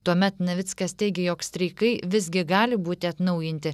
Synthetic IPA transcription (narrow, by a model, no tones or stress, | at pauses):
t̪uɔmʲɛt̪nɐʋʲɪt̪skɐst̪ʲɛɪɡʲɛjoːksʲt̪ʲɾʲɛɪkɐɪʋʲɪzʲɡʲɪɡɑːlʲɪbuːt̪ʲɪɐt̪nɐʊjɪnʲt̪ʲɪ